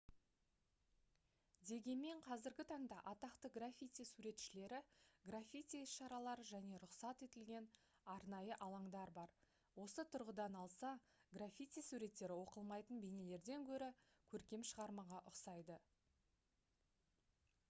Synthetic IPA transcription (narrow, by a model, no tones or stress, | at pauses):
d̪e̞ɡʲe̞nme̞ɴqʰɑzɪɾɡʲɪt̪ʰɑɴd̪ɑʔɑt̪ɑqt̪əɡrafʲit̪ijsuɾe̞t̪ʃɪle̞ɾɪɡrafʲit̪iɪsʃɑɾɑlˠɑɾəʒæne̞ɾʊqsɑt̪e̞t̪ɪlɡʲe̞n | ɑɾnɑjəʔɑlˠɑɴd̪ɑɾbɑɾ | wo̞sət̪ʰʊɾʁəd̪ɑnɑlˠsɑ | ɡrafʲit̪ijsuɾe̞t̪ːe̞ɾɪwo̞qəlˠmɑjt̪ənbe̞ne̞le̞ɾd̪e̞ŋkʲʰɵɾɪkʲʰɵɾkʲe̞mʃəʁɑɾmɑʁɑʔʊqsɑjd̪ə